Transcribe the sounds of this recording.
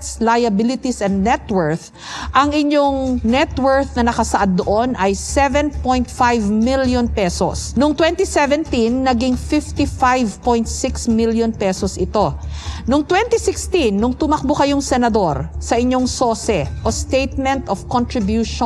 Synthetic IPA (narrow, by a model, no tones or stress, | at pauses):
t̪slajɐbɪlɪt̪isɛnd̪nɛt̪wɛɹθ | ʔɐŋɪɲoŋnɛt̪wɛɹθnɐnɐkɐsɐʔad̪̚ːoʔonʔɐjsɛvɛnpojnt̪fajvmiljonpɛso̰snʊŋt̪wɛnt̪isɛvɛnt̪inːɐɡiŋfɪft̪ifajvpojnt̪sɪksmiljonpɛsosʔɪt̪o̞nʊŋt̪wɛnt̪isɪkst̪inːʊŋt̪ʊmɐk̚bokɐjoŋsɛnɐd̪o̞ɾsɐʔɪɲːo̞ŋso̞ːsɛʔost̪ejt̪̚mɛnt̪ɔfkɔnt̪ɹɪbjuʃ